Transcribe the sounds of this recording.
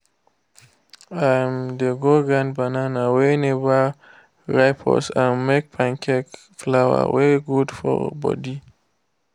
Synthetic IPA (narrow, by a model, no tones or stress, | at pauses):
aj̃md̪əɡoɡɹãnd̚bananaweneba | ɹaɪpʰɔ̰sãnmek̚pʰãnkʰɛk | flawə̰wɛɹiɡudfɔ̰bɔ̰di